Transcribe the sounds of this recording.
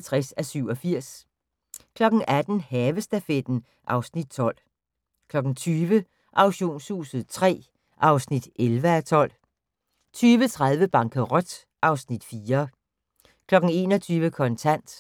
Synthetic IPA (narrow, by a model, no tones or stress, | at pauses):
t͡sʰʁɛsæsyʊ̰ɒ̽fiɐ̰s | kʰlɒ̽ɡ̥n̩ʔæd̥n̩hɛːʋəsd̥æfed̥n̩ | ʔɑ̈ʊsnid̥̚t͡sʰɒ̽l̰ | kʰlɒ̽ɡ̥n̩t͡sʰyːʋə | ʔɑ̈ʊɕo̝̰ːnshṵːsð̩ˠt͡sʰʁɛ̰ː | ʔɑ̈ʊsnid̥ʔelʋəæt͡sʰɒ̽l̰ | t͡sʰyːʋət͡sʰʁað̞ˠʋəb̥ɑ̈ŋkʰəʁɔd̥ | ʔɑ̈ʊsnid̥fiːɐ | kʰlɒ̽ɡ̥n̩e̝̰ːnɒt͡sʰyːʋəkʰɒ̽nt͡sʰæn̰d̥